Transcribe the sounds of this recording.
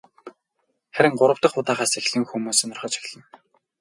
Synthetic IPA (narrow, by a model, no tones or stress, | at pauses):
χæɾʲɪ̆ŋɢʊɾə̆wt̪ə̆χʊt̪aːʁaːsexɮɘ̆ŋxumuːsĭnɔrχɞ̆ːt͡ɕʰi̥xɮə̆n